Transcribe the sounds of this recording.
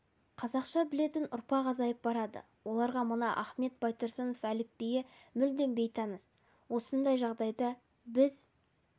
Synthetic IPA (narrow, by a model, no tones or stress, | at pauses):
qʰɑzɑqʃɑbɪle̞t̪ɪnʊɾpɑqɑzɑjəp̚bɑɾɑd̪ə̰ | wo̞lˠɑɾʁɑmənɑʔɑχme̞t̪̚bɑjt̪əɾsənofælɪpːejɪmʏld̪e̞mbe̞jt̪ʰɑnəs | wo̞sənd̪ɑjʒɑʁd̪ɑjd̪ɑ | bɪz